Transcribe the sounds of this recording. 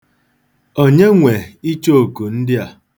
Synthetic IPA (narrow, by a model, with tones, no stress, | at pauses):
o˦ɲe˦ŋʷe˨i˦t͡ʃo˦o˨ku˨n̩˦dɪ˦a˨